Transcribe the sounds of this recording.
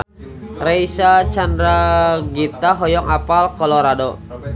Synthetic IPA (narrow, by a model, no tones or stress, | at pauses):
rajsat͡ʃandɾaɡit̪aɦɔjɔŋapalkɔlɔɾado